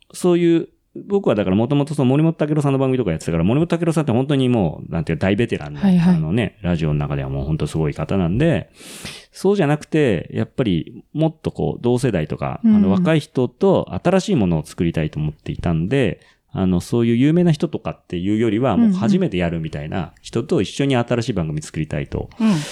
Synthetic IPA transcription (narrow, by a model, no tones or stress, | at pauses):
so̞ːjɯ̟ː | bo̞kɯ̟βad̪akaɾamo̞t̪o̞mo̞t̪o̞sonomo̞ɾʲimot̪ot̪akeɾo̞s̬ãnːobãŋɡɯ̟mit̪okajat̪ːe̥t̪akaɾamo̞ɾimot̪ot̪ake̞ɾo̞sãnt̪ːehont̪̬o̞ɲ̟imo̞̰ːnã̰nt̪ead̪aibe̞t̪e̞ɾʔã̰nːoano̞neɾaʑio̞nonakad̪e̞βa̰mo̞ːho̞nt̪o̞sɨɡo̞ikat̪anãnod̪e̞ | so̞ːʑanakɯ̟̥t̪e̞ja̰pːaɾʲḭmo̞t̪ːo̞ko̞̰ːd̪o̞ːs̬e̞d̪ait̪o̞ka̰ano̞β̞akaiçi̥t̪o̞t̪o̞a̰t̪aɾaɕiːmo̞no̞ːt͡sɨ̥kɯ̟ɾʲit̪ait̪o̞ːmo̞t̪ːe̞it̪anod̪e̞ | a̰no̞so̞ːjɯ̟ːjɯ̟ːme̞ːnaçi̥t̪o̞t̪o̞kat̪ːe̞jɯ̟ːjo̞ɾʲiβamoːhaʑime̞t̪e̞jaɾɯ̟mʲit̪aina̰çi̥t̪o̞t̪o̞iɕːo̞ɲ̟iat̪aɾaɕiːbãŋɡɯmit͡sɨ̥kɯ̟ɾʲit̪aḭt̪o̞̰